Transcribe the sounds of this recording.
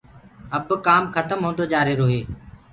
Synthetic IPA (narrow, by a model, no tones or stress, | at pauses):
əbkaːmxʰət̪əmɦõːnd̪oːd͡ʒaːɾeːɾoːɦeː